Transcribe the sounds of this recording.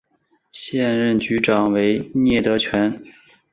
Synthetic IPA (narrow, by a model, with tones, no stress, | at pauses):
ɕjɛ˥˧nɻə˥˩nt͡ɕy˧˥ʈ͡ʂɑ˨˩ŋwe˧˥ɪnjɛ˥˩t̪ɤ˧˥t͡ɕʰɥɛ˧˥n